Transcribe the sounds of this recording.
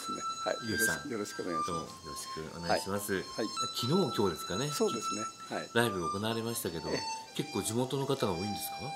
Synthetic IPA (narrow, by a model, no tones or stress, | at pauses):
sneha̰iosã̰ŋjoɾoɕi̥kɯoneono̰joɾoɕi̥kɯ̟̰o̰neaaɕimasɨiakʲino̞ːkʲo̞ːd̪e̞sɨ̥kane̞soːd̪esnehaiɾaibɯaoko̞naβaɾe̞maɕi̥t̪ake̞d̪o̞ke̞kːo̞ːd͡ʑimo̞t̪o̞no̞kat̪aɡaoːĩnd̪e̞sɨ̥ka